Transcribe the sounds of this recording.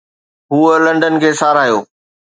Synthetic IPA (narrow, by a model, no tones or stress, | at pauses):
ɦuːəlɐ̃ɳɖən̆kʰeːsaːɾaːɦjoː